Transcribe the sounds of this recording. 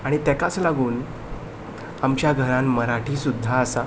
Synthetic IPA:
aɽ̃it̪ɛkat͡slaɡuːn | amt͡ɕjaɡʱəɾãnməɾaʈʰiːsud̪ʱːaːsa

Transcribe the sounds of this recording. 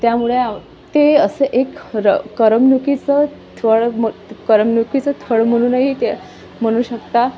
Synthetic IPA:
t̪jamuɭea | t̪eəsəʔekɾəːəɾəmnukit͡sə | t̪ʰʋəɭməkəɾəmnukit͡sət̪ʰəɭm̤əɽ̃uːnaɦit̪e | m̤əɽ̃uːɕəkt̪a

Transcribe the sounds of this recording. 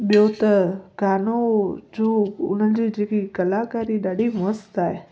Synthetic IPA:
ɓijot̪ɐɡaːnod͡ʑoːʊ̰n̤əd͡ʑiːd͡ʑeːkikɐlakaːɾiɗaːɖʱimost̪aːɦe

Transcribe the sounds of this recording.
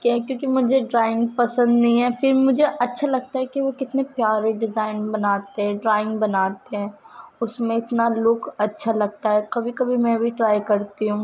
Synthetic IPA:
kaɦɛkjõːkimʊd͡ʒʱeɖɾaːɪ̃ŋɡ̚pɐsə̃nd̪nɐɦĩɦɛfɪɾmʊd͡ʒʱeʔɐtːʃʰalɐɡ̚t̪aɦɛkeʋokɪt̪nepjaːɾeɖɪzaːɪnbɐnaːt̪eɦɛ̃ɖɾaːɪ̃ŋɡbɐnaːt̪eɦɛ̃ː | ʊsmẽɪt̪nalʊkɐtːʃʰalɐɡ̚t̪aɦɛkɐbʱikɐbʱimɛ̃bʱiʈɾaːjkɐɾt̪iɦũː

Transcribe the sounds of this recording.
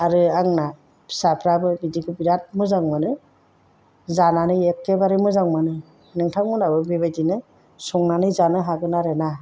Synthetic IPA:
aɾɯaŋnḁ | sapʰɾabɯnidiɡɯbiɾat̚mɯzaŋmanɯ | zananɯjekːebaɾɯmɯzaŋmanɯ | nɯŋtʰaŋmɯnabɯbibajdinɯ | sɔŋnanɯjzanɯɦaɡɯnaɾena

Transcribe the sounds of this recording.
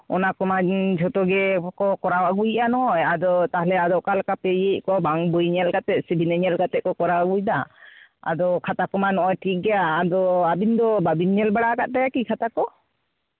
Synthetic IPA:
ɔ̰nakɔmad͡ʒʱɔt̪ɔɡɛkɔkɔɾawaɡujʔanɔɔjad̪ɔt̪aɦlɛad̪ɔʔkalkapejeʔ̚kɔbaŋbujɲɛlɡat̪ɛʔ̪̚sibʱinɛɲɛlɡat̪ɛʔ̚kɔkɔɾawaɡujd̪aa̰d̪ɔkʰat̪akɔmanɔʔɔjʈʰik̚ɡɛjaːd̪ɔabind̪ɔbabinɛlbaɽaɡat̪̚ɖajakikʰat̪akɔ

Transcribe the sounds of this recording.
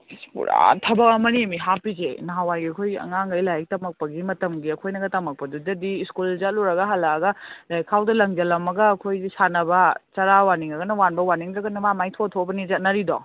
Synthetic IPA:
spṵɾa̰tʰɐbɐkɐmɐniɐmiɦapizenaɦawajɡiɐkʰojɐ̰ŋaŋɡɐjlajk̚tɐmɐk̚pɐɡimɐtɐmɡiɐkʰojnɐɡɐtɐmɐk̚pɐdudɐdiːskuld͡ʒaluɾɐɡɐɦɐlaɡɐlajkʰawdɐlɐŋd͡ʒɐlɐmɐɡɐːkʰojzisanɐbɐt͡ʃɐɾawaniŋɐɡɐnɐwanbɐwaniŋɾɐɡɐnɐmamajtʰotʰobɐnizɐt̚nɐɾidɔ

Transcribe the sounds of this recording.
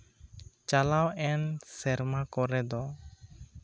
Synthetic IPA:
t͡ʃalawɛnsɛɾmakɔɾɛd̪ɔ

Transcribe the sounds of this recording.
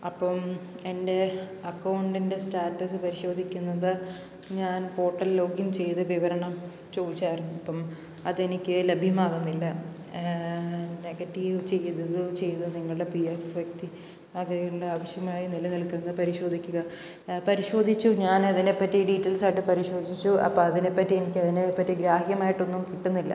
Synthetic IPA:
ɐpːɐm | e̞nde̞ɐkːɐwɳɖinde̞staːʈːɐsɨpɐɾiɕo̞ːd̪ʱikʲːunːɐðɨ | ɲaːnpo̞ːʈːɐllo̞ːɡiumt͡ɕe̞jt̪ɨʋiʋɐɾɐɳɐm | t͡ɕo̞ːðit͡ɕːaːjiɾunːuɐpːɐm | ɐðe̞nikʲːɨlebʱjɐmaːɣunːilːɐ | ne̞ɡɐtːiʋt͡ɕe̞jːðɐðɨt͡ɕe̞jt̪ɨniŋːɐɭɨɽepiefʋjek̚t̪i | ɐɣɐjiuɽeaːʋɐɕjɐmaːjinilɐnilkːunːɐðɨpɐɾiɕo̞ːd̪ʱikʲːuɣɐ | pɐɾiɕo̞ːd̪ʱit͡ɕːuɲaːnɐðine̞pːɐtːiɖiːtːɐlsaːjʈːɨpɐɾiɕo̞ːd̪ʱit͡ɕːuʔɐ̰pːɐːɐðine̞pːɐtːienikʲːɐðinepːɐtːiɡɾaːhjɐmaːjiʈːo̞nːumkiʈːunːilːɐ̰

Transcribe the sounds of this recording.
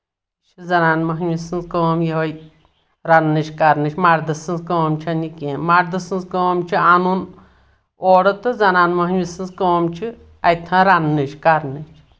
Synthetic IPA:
t͡ʃʰizɐnaːnmɐɦisɨnzkəːmjiɦɐj | ɾanːɨt͡ʃʰkaɾnɨt͡ʃʰʲmaɾd̪ɨsɨnzkəmt͡ʃʰɐnikʲẽːmaɾd̪ɨsɨnzkəmt͡ʃʰianun | oːɽɨt̪ɨzɐnaːnmɐɦwisɨnzkəmt͡ʃʰi | ɐjt̪ʰɐ̃ːɾanːɨt͡ʃʰkaɾnɨt͡ʃʰ

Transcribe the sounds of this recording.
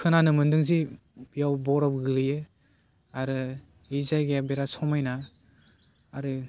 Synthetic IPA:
kʰɯnanɯmɯndɯŋzi | ijawbɔɾɔp̚ɡɯlɯjɯ | aɾɯ | izajɡeabeɾasɔmajna | ɾɯ

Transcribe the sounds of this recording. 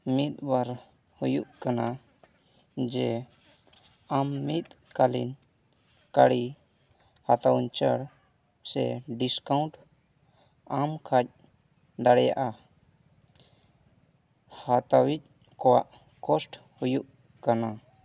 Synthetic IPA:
mit̪̚baɾ | hujuʔkana | d͡ʒɛ | amːit̪̚kalḭn | kaɽi | hat̪awnt͡ʃəɽ | sɛ̰ɖiskaũɳʈ | amkʰac̚ | d̪aɽɛja̰ʔa | hat̪awic̚ | kɔwa̰ʔ | kɔsʈ | hujuʔ | kana

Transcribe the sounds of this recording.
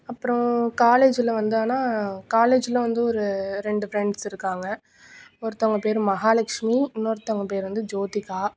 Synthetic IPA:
ɐpːɯɾɔ̃kaːleːd͡ʒɪlɐʋɐnd̪ɯaːnaːkaːleːd͡ʒɪlɐʋɐnd̪ɯɔɾɯɾɛɳɖɯfɾɛɳɖsɪɾɯkːaːŋɡɐ | ɔɾɯt̪ɔŋɡɐpeːɾmɐɦaːlɐkʂmiɪnːoːɾɯt̪ɔŋɡɐpeːɾʋɐnd̪ɯd͡ʒoːt̪ɪkːaː

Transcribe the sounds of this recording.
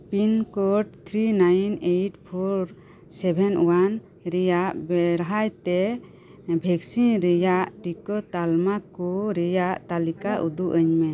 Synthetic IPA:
pinkɔʈ̚t̪ʰɾinajnejʈpʰɔɾ | sɛbʱɛnʔwan | ɾɛjaʔbɛɾɦajt̪ɛ | bʱɛksinɾɛjaʔʈikɔt̪almakɔɾɛjaʔt̪alikaʔud̪uʔəɲmɛ

